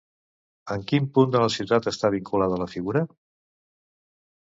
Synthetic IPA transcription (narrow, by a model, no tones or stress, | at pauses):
əŋkimpund̪ələsit̪at̪əst̪aβ̞iŋkulað̞ələfiɣuɾə